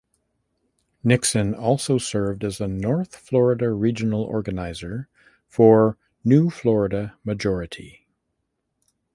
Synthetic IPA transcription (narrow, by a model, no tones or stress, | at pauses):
nɪksɨ̃nɔlˠsoʊsɜ˞vdɨzənɔɹθflɔɹɨɾɨɹid͡ʒɨnl̩ˠɔ̰ɹɡɨnaɪzə˞ | fə˞ | nʉflɔɹɨɾɨmɨd͡ʒɔɹɨɾḭ